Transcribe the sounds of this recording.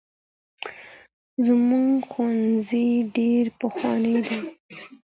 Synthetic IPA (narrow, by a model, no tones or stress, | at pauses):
zmuŋɡxwanziɖeɾpəxwɑ̰nəjd̪a